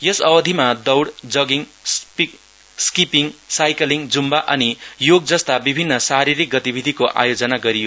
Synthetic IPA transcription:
jʌsʌbʌd̪ʱimad̪ʌwɽd͡zʌɡiŋspi | skipiŋsajkʌliŋd͡zumbaʔʌnijoɡd͡zʌst̪abibʱinːʌsaɾiɾik̚ɡʌt̪ibʱid̪ʱikoʔa̰jod͡zʌnaɡʌɾijo

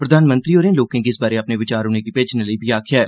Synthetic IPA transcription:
pɾəd̪ʱaːnmə̃nt̪ɾioːɾẽːloːkẽːkiɪsbaːɾeəpneʋɪt͡ʃaːɾɦoːnekipeːd͡ʒneləibʱiaːkʰjɛː

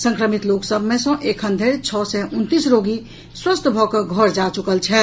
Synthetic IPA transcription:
sə̃ŋkɾəmit̪loksəbʱmesə̃ʔekʰənd̪ʱeɾt͡ʃʰɔsɛʔunt̪isɾoɡi | swəst̪ʰbʱɔkəɡʱɔɾd͡ʒat͡ʃukəlt͡ʃʰɛ

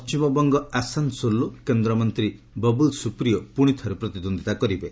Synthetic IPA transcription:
pɔt͡ʃimɔbɔŋɡɔasansolokend̪ɾɔmɔnt̪ɾi | bɔbulsupɾijɔpuɽ̃it̪ʰɔɾepɾɔt̪id̪ond̪it̪akɔɾibe

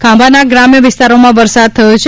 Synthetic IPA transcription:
kʰãbʱanaɡɾamjəʋɪst̪aɾomãʋəɾsad̪̚t̪ʰəjot͡ʃʰe

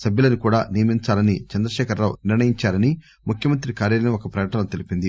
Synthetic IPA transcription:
sɐbjulɐnukuːɽaːnijɐmiɲt͡ʃaːlɐnit͡ʃɛnd̪ɾɐʃɛːkʰɐɾːaːwniɾnɐjiɲt͡ʃaːɾɐni | mukʰjɐmɐnt̪̬ɾikaːɾjɐlɐneokɐpɾɐkɐʈɐnɐmt̪elipind̪i

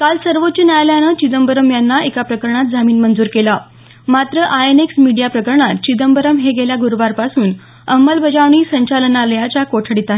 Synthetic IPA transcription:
kalsəɾʋot͡ɕunajljanət͡ɕid̪əmbəɾəmjanːaekapɾəkəɾɳ̃at̪̚d͡zamiːnmənd͡zuːɾkela | mat̪ɾəʔaeneksmiɽijapɾəkəɾɳat̪̚t͡ɕid̪əmbəɾəmɦeɡeljaɡuɾʋaɾpasuːn | əmːəlbʱəd͡ʑaʋɳ̃iːsəɲt͡ɕalənaləjat͡ɕakoʈʰəɽit̪aɦe

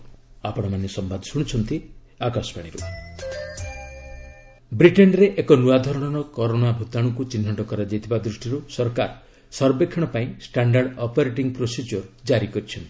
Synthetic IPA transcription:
apɔɽ̃ɔmanesɔmbad̪ʱɔsuɽ̃it͡ʃʰɔnt̪i | akasɔbaɽ̃iɾṵ | bɾiʈenɾeʔekɔnuad̪ʱɔɾɔɽ̃ɔɽ̃ɔkɔɾoɽ̃abʱut̪aɽ̃ɔkut͡ʃinːɔʈɔkɔɾad͡ʒajt̪ʰibad̪ɾusʈiɾusɔɾkaɾ | sɔɾbekʰːiɽ̃ɔpaĩsʈaɳɖaɾɖɔpɔɾeʈiŋpɾosid͡ʒɔɾd͡ʒaɾikɔɾit͡ʃʰɔnt̪i̥

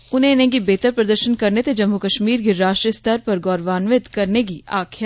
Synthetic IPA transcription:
ʊn̤ɦẽnẽk̬ibeːt̪əɾpɾɐd̪əɾʃənkɐɾnet̪ed͡ʒɐmːukɐʃmiːɾkeɾaːʃʈɾəst̪ʰəɾpɐɾɡɔːɾʋaːnʋɪt̪kɐɾnek̬iʔaːkʰja

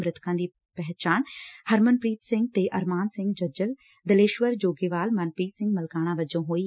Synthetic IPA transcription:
mɾɪt̪ʰkãːd̪iː | pɛɦt͡ʃaːnhəɾmənpɾiːt̪sɪ̃ŋɡ̚t̪eʔɐɾmaːnsɪ̃ŋɡd͡ʒɐd͡ʒəl | d̪əleːʃʋəɾd͡ʒoːɡeːʋaːlmɐnpɾiːt̪sɪ̃ŋɡməlkaːɽ̃ãʋəd͡ʒõːɦoːiː

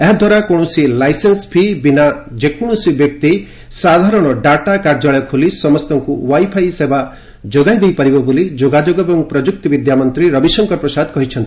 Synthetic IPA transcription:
eɦd̪ʱwaɾakoɽ̃ɔsilajsenspʰibinad͡ʒekuɽ̃ɔsibjɔk̚t̪i | sad̪ʱaɾɔɽ̃ɔɖaʈakaɾd͡ʒaɭɔjɔkʰolisɔmɔst̪ɔŋkuwajpʰajsebʱa | d͡ʒoɡajd̪ejpaɾibɔbolid͡ʒoɡad͡ʒoɡɔbɔŋpɾɔd͡ʒuk̚t̪ɔbid̪jamɔnt̪ɾiɾʌbisɔŋkɔɾpɾɔsad̪kɔɦit͡ʃʰɔnt̪i̥

